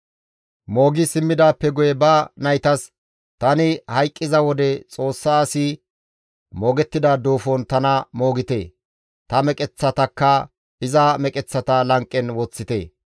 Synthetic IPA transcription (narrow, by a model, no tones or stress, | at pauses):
mo̞ːɡɪsɪmːɪd̪aːpːɛɡʊjɛbɐnɐjt̪ɐs | t̪ɐnɪhɐjkʼːɪzɐwɔd̪ɛt͡sʼo̞ːsːaːsɪ | moːɡɛt̪ːɪd̪ɐd̪oːfɔnt̪ɐnɐmo̞ːɡɪt̪ḛː | t̪ɐmɛkʼɛt͡sːɐt̪ɐkːɐ | ɪzɐmɛkʼɛt͡sːɐt̪ɐlɐŋkʼːɛnwɔt͡sːɪt̪e̞ː